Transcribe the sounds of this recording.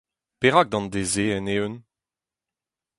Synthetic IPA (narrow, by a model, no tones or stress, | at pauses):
peʁak̚d̪ɑ̃nd̪ezeɛneøn